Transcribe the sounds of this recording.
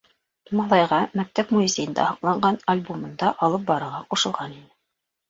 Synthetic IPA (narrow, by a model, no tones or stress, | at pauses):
mɑlˠɑjʁɑmæk̚t̪æpmuizʲejɘ̆nd̪æ̰hɑqlˠɑɴɢɑnalʲbomɤ̆nd̪ɑʔɑlˠɤp̚bɑɾɤ̆ɾʁɑquʃɤ̆lˠʁɑninɘ